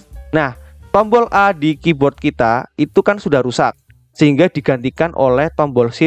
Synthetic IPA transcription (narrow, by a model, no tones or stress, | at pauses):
naht̪ɔmbɔlʔadikibɔrt̪̚kit̪ait̪ukansudahɾusat̪̚ | səɦiŋɡadi̤ɡ̥ant̪ikanʔo̰lɛht̪ɔmbɔlsi